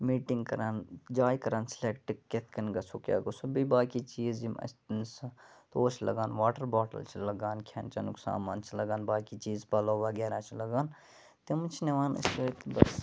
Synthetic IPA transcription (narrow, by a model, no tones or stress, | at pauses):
miːʈiŋɡkɐɾaːnd͡ʒaːjkɐɾaːnsleːkʈikːet̪ʰkɐnɡɐsukʲja̰ːɡosubibaːkit͡ʃiːzimʔɐ̰st̪nst̪oːt͡ʃʰlɐ̰ɡaːnʋaːʈɐɾbaːʈɐ̰lt͡ʃʰilɐɡaːnkʰja̰ːnt͡ʃɐ̰nuksa̰ːmaːnt͡ʃʰilɐɡaːnbaːkit͡ʃiːzpɐlɐːʋɐɡʲeːɾãːt͡ʃʰilɐɡaːn | t̪imt͡ʃʰineʋaːnɐ̰st͡ʃok̪ibɐs